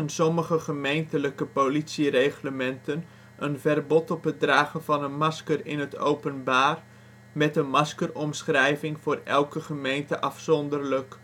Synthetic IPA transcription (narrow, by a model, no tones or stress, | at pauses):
ənsɔməχəχəmejntələkəpolitsirejχləmɛntən | ʔənvɛrbɔtɔpət̚draːχənvɑnənmɑskərɪ̰nətʰo̰wpənbaːr | mɛtənmɑskərɔmsχrɛjvɪŋvʊːrɛ̰lˠkəχəmejntəʔɑfsɔndərlək